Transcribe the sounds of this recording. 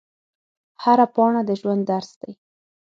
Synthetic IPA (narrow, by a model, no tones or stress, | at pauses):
haɾapɑɳad̪əʒwand̪ːaɾsd̪aj